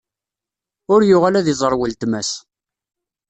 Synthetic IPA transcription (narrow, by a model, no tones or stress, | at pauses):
ʊɾjʊʁælæðizˤəɾˤwəlt̪mæs